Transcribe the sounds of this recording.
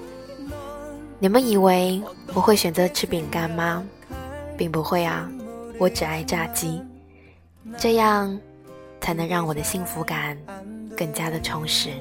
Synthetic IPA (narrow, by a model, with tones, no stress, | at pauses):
ni˨˩mə˦ni˨˩we˧˥ɪwɔ˨˩xwe˥˩ɕɥɛ˨˩nt͡sɤ˧˥ʈ͡ʂʰɻ̩˥pi˨˩ŋka˨˩nmɐ˨˦ | pi˥˩ŋpu˧˥xwe˥˩ɪɐ˨˩wɔ˧˥ʈ͡ʂɻ̩˨˩a˥˧ɪʈ͡ʂa˥˩t͡ɕi˥ | ʈ͡ʂɤ˥˧jɑ˥˩ŋ | t͡sʰa˧˥ɪnɤ˧˥ŋɻɑ˥˩ŋwɔ˨˩d̪ə˦ɕi˥˩ŋfu˧˥ka˨˩nkə˥˩ŋt͡ɕja˥d̪ə˨ʈ͡ʂʰʊ˧˥ŋʂɻ̩˧˥